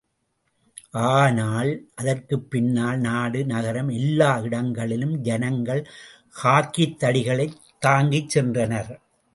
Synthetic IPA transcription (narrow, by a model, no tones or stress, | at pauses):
ʔaːnaːlʔɐðɐrkɯpːɪnːaːlnaːɽɯnɐɣɐɾɐmɛlːaːɪɽɐŋɡɐɭɪlɯmd͡ʒɛnɐŋɡɐɭ | haːkit̪ːɐɽɪɣɐɭɐɪt̪ːaːŋɡit͡ʃsɛndrɐnɐɾ